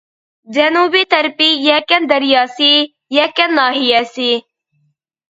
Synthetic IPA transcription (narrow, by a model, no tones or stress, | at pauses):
d͡ʒɐnuːbit̪ɐɾpijakɐnd̪ɐɾjaːsi | jakɐnːaːɦijɛsi